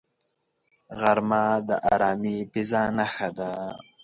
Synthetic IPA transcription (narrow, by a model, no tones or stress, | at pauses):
ɣaɾmad̪əʔaɾɑːmipizanaxad̪a